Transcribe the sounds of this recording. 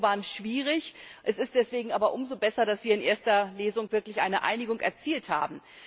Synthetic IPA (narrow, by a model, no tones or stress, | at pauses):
vaːɐənʃv̥iːʁɪçʔɛsɪst̚d̥ɛsv̥eːɡŋ̩ʔaːbɐʔʊmzobɛsɐdasv̥iːɐɪnʔeːɐstɐleːzʊŋv̥ɪɐklɪçʔa̰ɪnəʔa̰ɪnɪɡʊŋʔɛ̰ɐt͡siːltha̰ːbm̩